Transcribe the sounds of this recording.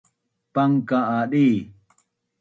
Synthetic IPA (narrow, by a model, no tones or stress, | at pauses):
paŋkaaɗi